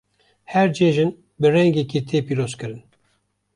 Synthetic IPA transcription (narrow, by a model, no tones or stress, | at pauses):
hɛɾd͡ʒeʒɨn | bɨrɛŋɡɛkit̪ʰepiːɾozkɨɾɨn